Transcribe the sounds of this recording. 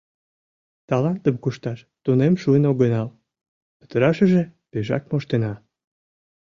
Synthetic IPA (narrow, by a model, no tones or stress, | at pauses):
t̪ɑlɑnt̪əmkuʃt̪ɑʃ | t̪unemʃuənoɣənɑl | pə̥t̪əɾɑʃəʒepeʒɑ̰k̚moʃt̪enɑ